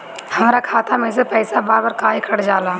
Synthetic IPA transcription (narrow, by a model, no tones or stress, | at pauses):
hɐmːɾakʰaːt̪ʰamẽsepɛːsabaːɾbəɾkaːikʰɐɽd͡ʒaːlaː